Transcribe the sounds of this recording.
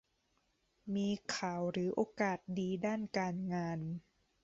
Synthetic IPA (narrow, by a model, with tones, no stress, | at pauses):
miː˧kʰaː˨˩˦wɾɯː˩˦ʔoː˧kaː˨˩t̪̚diː˧daː˥˩nkaː˧nŋaː˧n